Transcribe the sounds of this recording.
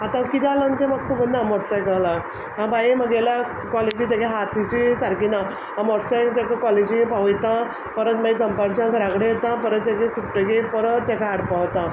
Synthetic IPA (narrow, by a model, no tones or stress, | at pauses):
at̪ãkit̪alənt̪emakkʰːuːbənd̪amɔɾsajkala | ɦãbaiməɡela | kɔled͡ʑit̪̬ekeɦat̪it͡ɕisaɾkina | əmɔɾsajkt̪ekakɔled͡ʑipaʋjt̪ã | pəɾət̪mait̪əmpaɾt͡ɕãɡəɾãkɽejt̪ãpəɾət̪ːekẽsukʈəɡepəɾət̪ːekaːɽpaʋt̪ã